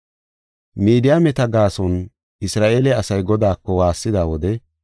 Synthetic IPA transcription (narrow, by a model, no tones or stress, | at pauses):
miːd̪ɪjaːmɛt̪ɐɡaːsɔn | ɪsɾaːʔeːlɛɐsɐjɡɔd̪aːkːɔwaːsːɪd̪aːwɔd̪ɛ